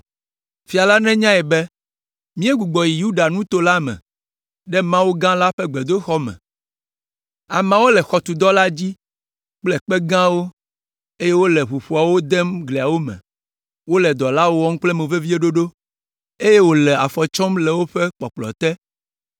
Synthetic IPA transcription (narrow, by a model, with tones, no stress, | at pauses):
fi˨a˨la˦nɛ̃˦ɲã˦ɛ˨bɛ˦ | mĩ˦e˦ɡu˨ɡ͡bɔ˨ji˨ju˦ɖa˨nũ˦t̪o˨˦la˦mɛ̰̃˨ | ɖɛ˦mã˦wo˦ɡã˦la˦ɸɛ˦ɡ͡bɛ˨d̪o˦xɔ˦mɛ̰̃˨ | a˨mã˦wo˦lɛ˨xɔ˨t̪u˨d̪ɔ˦la˦d͡ʑi˦ | k͡plɛ˦˨k͡pɛ˦ɡã˦wo˦ | e˦je˦wo˦lɛ˨ɸu˨ɸu˨a˨wo˦d̪ɛ˦mɡli˨a˨wo˦mɛ̰̃˨ | wo˦lɛ˨d̪ɔ˨la˦wo˦wɔ˦ŋ̩˦k͡plɛ˦mẽ˨ve˦vi˦e˦ɖo˦ɖo˦ | e˦je˦wo˦lɛ˨a˨fɔ˨t͡ʃɔ˦mlɛ˨wo˦ɸɛ˦k͡pɔ˨k͡plɔ̰˨t̪ɛ˦